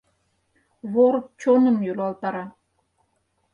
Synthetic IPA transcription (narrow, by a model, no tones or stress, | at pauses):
βoɾk̚t͡ɕonə̆mjylɑlˠt̪ɑɾɑ